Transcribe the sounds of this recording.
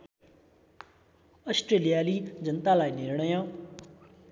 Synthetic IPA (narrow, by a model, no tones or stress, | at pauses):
ɐsʈɾeːlijaːlid͡ʑənt̪alaːinɪɾɽ̃əjãː